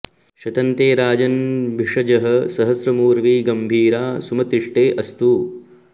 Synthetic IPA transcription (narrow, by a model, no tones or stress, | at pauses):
ʃɐt̪ɐnt̪eːɾaːd͡ʒɐnbʱiʂɐd͡ʒɐɦɐsɐɦɐsɾɐmuːɾʋiːɡɐmbʱiːɾaːsumɐt̪ɾiʂʈeːʔɐst̪uː